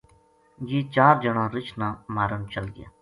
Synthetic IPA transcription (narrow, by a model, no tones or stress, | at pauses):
d͡ʒiːt͡ʃaːɾd͡ʒəɳãːɾɪt͡ʃnãːmaːɾənt͡ʃəlɡɪja̰ː